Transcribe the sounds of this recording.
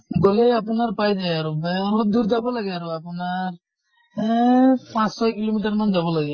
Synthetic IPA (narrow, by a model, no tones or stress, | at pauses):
ɡolejapunaɾpajd͡ʒajaɾobɛɾɔd̪uɾd͡ʒabɔlaɡɛaɾoapunaɾ | pãssɔjkilomiʈaɾmand͡ʒabɔlaɡɛ